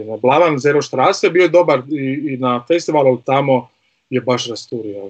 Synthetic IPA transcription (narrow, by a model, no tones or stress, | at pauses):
nablˠaʋanzeɾoʃt̪ɾaːsejebiod̪o̞baɾiːnafest̪iʋalˠulit̪amo | jebaʃɾast̪uɾio